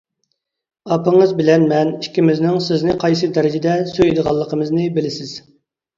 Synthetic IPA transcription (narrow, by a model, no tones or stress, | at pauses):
ɑpəŋəzbɪlɛnmɛnikʲːimɪznɪŋsɪznɪqʰɑjs̬ɨd̪ɛɾɪd͡ʒɪd̪ɛsøjd̪əʁɑlˠːəqʰəmɨznɨbɪlɪsɪz̥